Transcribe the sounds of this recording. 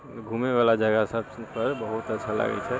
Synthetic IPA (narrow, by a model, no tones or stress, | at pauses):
ɡʱuːmeʋaːlad͡ʒɐɡəsabpəɾbɐɦʊt̪ɐtːʃʰala̰ɡə̰it͡ʃʰɛ